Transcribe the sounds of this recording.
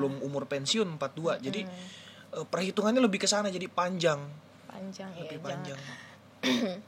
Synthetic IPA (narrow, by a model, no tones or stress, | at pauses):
lʊmumʊrpɛnsiʊnəmpat̪̚duad͡ʒadi | əpərhit̪uŋanɲaləbɪhkəsanad͡ʒadipaɲd͡ʒaŋ | ləbɪhpaɲd͡ʒaŋ